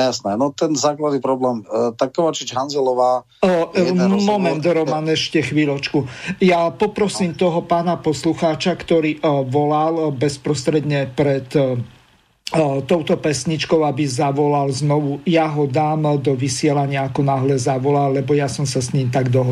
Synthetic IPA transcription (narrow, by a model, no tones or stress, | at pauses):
jasnɛnɔt̪ɛnzaːklad̪nipɾɔblɛːmt̪akːɔʋat͡ʃid͡ʒɦanzɛlɔʋaː | mɔmɛnd̪ɾɔmanɛʃcɛxʋilɔt͡ʃkujapɔpɾɔsiːmt̪ɔɦɔpaːnapɔsluxaːt͡ʃakt̪ɔɾiːʋɔlalbɛspɾɔst̪ɾɛd̪ɲɛpɾɛt̪ | t̪ɔʊt̪ɔpɛsɲit͡ʃkɔʊabizaʋɔlalznɔʋujaɦɔd̪aːmd̪ɔʋisɪɛlaɲɪaːkɔnaɦlɛzaʋɔlalːɛbɔjasɔmsasɲiːmt̪aɡd̪ɔɦ